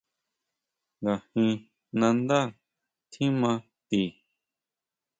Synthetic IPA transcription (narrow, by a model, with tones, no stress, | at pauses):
ŋɡa˨hĩ˧ | nã˧nd̪a˦˨ | t̪ʰĩ˦mã˧ | t̪i˨